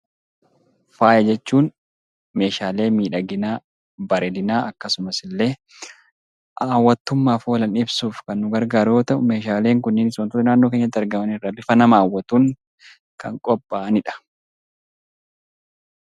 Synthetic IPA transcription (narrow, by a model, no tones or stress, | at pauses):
faːjɐd͡ʒɛt͡ʃːuːn | me̞ːʃaːle̞ːmiːᶑɐɡɪnaː | bɐɾɛd̪ɪnaːɐkːɐsʊmɐsɪlːe̞ː | ʔaːwːɐt̪ːʊmːaːfo̞ːlɐnɪbsuːfkɐnːʊɡɐɾɡaːɾo̞ːt̪ɐʔʊme̞ːʃaːle̞ːŋkʊnːɪnɪsoɔːnt̪ʊt̪ɐnaːnːoːkeɲːɐt̪ːɪɐɾɡɐmɐnɪrːɐbɪfɐnɐmaːwːɐt̪uːŋ | kɐ̰ŋkʼɔpʼːaʔɐnɪᶑɐ̥